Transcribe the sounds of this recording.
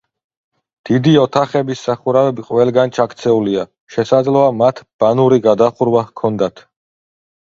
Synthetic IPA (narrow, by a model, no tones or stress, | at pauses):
d̪̥id̪iɔt̪ʰaχɛbisːaχuɾavɛbiqʼwɛlˠɡant͡ʃʰakʰt̪sʰɛulia | ʃɛsad̪zlɔamat̪ʰb̥anuɾiɡad̪aχuɾwakʰɔnd̪at̪ʰ